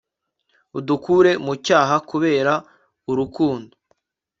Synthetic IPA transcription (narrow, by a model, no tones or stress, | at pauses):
udukuːɾe̞mucaːɦakuβe̞ːɾa | uɾukuːndo